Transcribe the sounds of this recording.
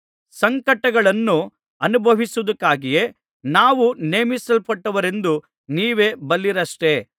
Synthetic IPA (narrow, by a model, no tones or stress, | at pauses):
sɐŋkɐʈːɐɡɐɭɐnːu | ɐnubʱɐʋisuud̪ɐkːaːɡije̞ | naːʋuneːmisɐlpɐʈːɐʋɐɾe̞nd̪u | niːʋe̞ːbɐlːiɾɐʂʈe̞